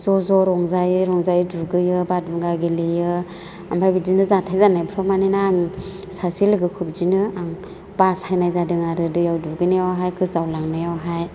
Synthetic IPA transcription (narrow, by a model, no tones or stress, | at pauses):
zɔzɔɾɔŋzajɾɔŋzajduɡɯjɯbaduɡaɡilɯjɯ | ambʰajbidinɯzatʰajzanajbʰɾɔmanenaːŋ | sasilɯɡɯkʰɯp̚d͡ʒinɯaŋ | b̥ashajnajzadɯŋaɾɯdɯjawduɡɯnajawɦajkʰɯzawlaŋnajawɦaj